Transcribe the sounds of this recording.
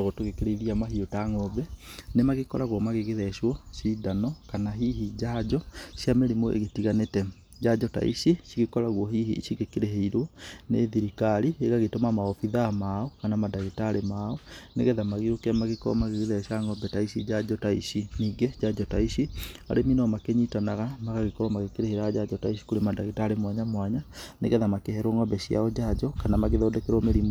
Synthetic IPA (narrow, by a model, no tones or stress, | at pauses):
ɣɔtoɣekeɾeiɾiamaɦiotaŋɔbɛnemaɣekɔɾaɣwɔmaɣeɣeðɛʃwɔsidanɔkanaɦiɦid͡ʑad͡ʒɔɕjameɾimoʔḛɣetiɣanetɛ | d͡ʑad͡ʒɔta̰ḭɕiʃiɣekɔɾaɣwɔɦiɦiʃiɣekeɾeɦeiɾɔnḛðiɾikaɾieɣaɣetomamaɔfiðamaɔkanamadaɣetaːɾemaɔnḛɣɛðamaɣiɾokamaɣekɔ̰maɣeɣeðɛɛʃaŋɡɔbɛtaisid͡ʒad͡ʒɔtaiɕiniːɡɛd͡ʑad͡ʒɔtaiʃia̰ɾeminɔmakeɲitanaɣamaɣaɣekɔɾɔmaɣekeɾeheiɾaɣad͡ʒad͡ʒɔtaiɕi̥koɾemadaɣetaɾemwaɲamwaɲanḛɣɛðamakehɛɾoŋɡɔbɛɕia̰ɔd͡ʑad͡ʒɔkanamaɣeðɔːdɛkeɾɔmeɾim